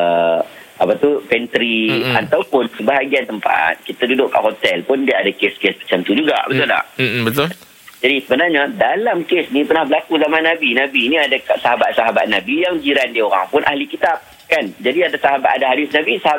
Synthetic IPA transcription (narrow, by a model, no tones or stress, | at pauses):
ə | apat̪ufɛnt̪ɾiant̪awpʊnsəbaɦaɡiant̪əmpa̰t̪̚kit̪adudʊʔkːa̰ʔɦot̪ɛlpʊndiaadakeskespə̥t͡ʃamt̪ud͡ʒuɡa̰bət̪ʊla̰hbət̪ʊl | d͡ʒadisəbənarɲadalamkesnipərnahbəlakuzamanabinãbiːniadakasaɦabat̪̚saɦaba̰ʔ̪̚nabijaŋd͡ʒiɾandioɾa̰ŋpʊnʔa̰hlikit̪ap̚ | kand͡ʒadiadasaɦabat̪adaɦadɪsnabisaa